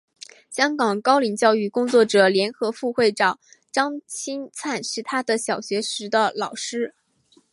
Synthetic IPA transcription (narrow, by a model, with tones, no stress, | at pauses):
ɕjɑ˥ŋkɑ˨˩ŋkɑ˥ʊli˨˩ŋt͡ɕjɑ˥˧ʊy˥˩kʊ˥ŋt͡swɔ˥˩ʈ͡ʂɤ˨˩ljɛ˧˥nxɤ˧˥fu˥˧xwe˥˩ɪʈ͡ʂɑ˨˩˦ŋ | ʈ͡ʂɑ˥ŋt͡ɕʰi˥nt͡sʰa˥˧nʂɻ̩˥˩t̪ʰa˥d̪ə˨ɕjɑ˨˩ʊɕɥɛ˧˥ʂɻ̩˧˥d̪ə˧lɑ˨˩ʊʂɻ̩˥